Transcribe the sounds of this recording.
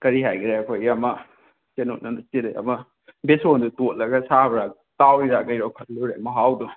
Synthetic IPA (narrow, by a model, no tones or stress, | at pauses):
kɐɾiɦajɡiɾajkʰojamɐ | t͡ʃeno̰t̚nɐnt͡ʃiɾḛjɐ̰mɐ | besondutot̚lɐɡɐsabɾa | tawiɾaɡɐjɾɔwkʰɐt̚luɾeɐmɐɦawdu